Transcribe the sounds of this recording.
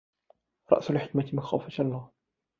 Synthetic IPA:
ɾˤɑ̰ʔsalħɪkmat̪ɪmaxa̰wfat̪ʔɑlˤːɑːh

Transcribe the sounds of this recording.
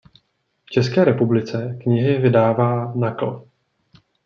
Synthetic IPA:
ft͡ʃɛskɛːɾɛpublɪt͡sɛkɲɪɦɪvɪdaːvaːnakl̩

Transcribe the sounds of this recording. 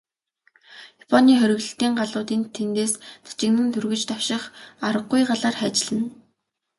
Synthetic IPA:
japʰɔniːχœɾʲɵ̆ɣɮɵ̆ɬt̪iːŋɢaɮʊːt̪iːnt̪ʰent̪eːst͡sḁt͡ɕɪ̆knɘ̆nt̪ʰɵrɣɵ̆t͡ɕt̪awʃɪ̆χaɾə̆ɢːʊjɢaɮaːrχæːt͡ɕɪɮɘ̆n

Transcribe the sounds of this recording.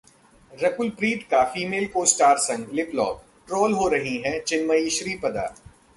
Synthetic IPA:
ɾɐkʊlpɾiːʈ̪kafiːmeːlkoːsʈaːɾsɐ̃ŋɡlɪplɔ̰ːk | ʈɾoːlɦoːɾɐɦiɦɛ̃t͡ʃɪnməiʃɾiːpɐd̪a̰ː

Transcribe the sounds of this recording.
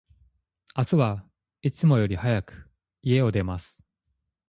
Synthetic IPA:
asɨβa | it͡sɨmo̞jo̞ɾʲihajakɯ̥ | ie̞od̪e̞masɨ̥

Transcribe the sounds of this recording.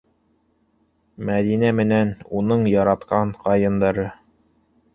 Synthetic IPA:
mæðinæmɘ̆nænunɤɴjɑɾɑt̪qɑɴqɑjɤ̆nd̪ɑɾɤ

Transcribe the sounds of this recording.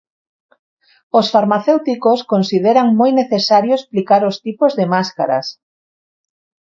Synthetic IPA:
osfaɾmaθewt̪ikoskonsið̞eɾaŋmojneθesaɾjoesplikaɾost̪ipozðemaskaɾa̰s

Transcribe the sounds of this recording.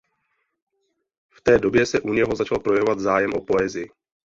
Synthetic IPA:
ft̪ɛːdo̞bjɛsɛʔuɲɛɦo̞zat͡ʃalpɾo̞jɛvovad̪zaːjɛmʔo̞po̞ɛːzɪjɪ

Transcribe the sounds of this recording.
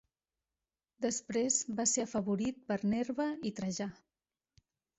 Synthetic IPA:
d̪əspɾezbaseəfəβuɾit̪̚pəɾneɾβəit̪ɾəʒa

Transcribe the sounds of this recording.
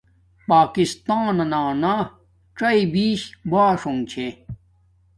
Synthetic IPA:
paːkist̪aːnɐnaːna | ʈ͡ʂɐibiːɕbaːʂoŋt͡ɕʰẽ

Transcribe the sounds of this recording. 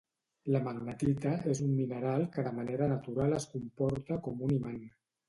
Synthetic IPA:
ləməɣnət̪it̪aezumːinəɾalˠkəðəmaneɾənat̪uɾaləskumpɔɾt̪əkɔmuniman

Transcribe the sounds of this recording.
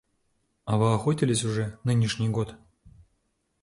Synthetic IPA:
avɨaxotʲɪlʲɪs̬ʲuʐɛnɨnʲiʂnʲijɡot̪

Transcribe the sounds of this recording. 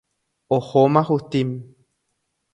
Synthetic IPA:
ohomãhut̪im

